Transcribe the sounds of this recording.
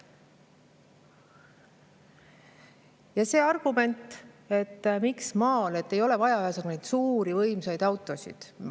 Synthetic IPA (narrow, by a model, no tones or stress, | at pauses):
jɑse̞ːɑrɡ̥ume̞nt̪ːˑ | e̞t̪ːmiksmɑːle̞t̪ːe̞jo̞le̞vɑjɑɑjɑsɑɡune̞jd̪suːɾivɤjmsɑjd̪̥ɑwt̪ːˑo̞sḭd̪̥